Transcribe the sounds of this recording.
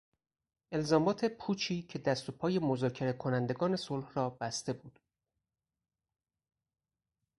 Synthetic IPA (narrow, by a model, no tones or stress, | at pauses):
ʔe̞lzɒːmɒːt̪ʰe̞pʰuːt͡ʃʰiːcʰe̞d̪æst̪o̞pʰɒːje̞mozɒːcʰe̞ɾe̞kʰo̞nænd̪e̞ɡɒːne̞solhrɒːbæst̪e̞buːd̪̥